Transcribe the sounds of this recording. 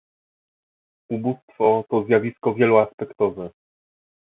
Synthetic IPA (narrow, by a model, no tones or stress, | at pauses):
ubust̪fɔt̪ɔzjavʲiskɔvʲjɛluaspɛkt̪ɔvɛ